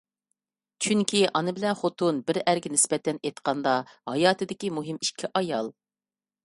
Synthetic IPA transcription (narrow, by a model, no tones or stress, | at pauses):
t͡ʃʰyŋkʲʰiʔɑnɨbɪlɛnχot̪ʰunbɪɾæɾɡʲɛnɪspɛt̪ʰɛnet̪qʰɑnd̪ɑhɑjɑːt̪ʰɨd̪ɪkʲimuɦɪmiʃkʲʰiʔɑjɑlˠ